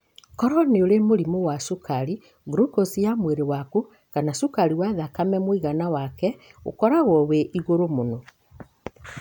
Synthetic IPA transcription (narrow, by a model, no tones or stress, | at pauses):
kɔɾɔneoɾemoɾimowasukaɾi | ɣɾukosijamweɾewaku | kanasukaɾiwaðakamɛmwiɣanawakɛo̰kɔɾaɣɔweʔiɣoɾomonɔ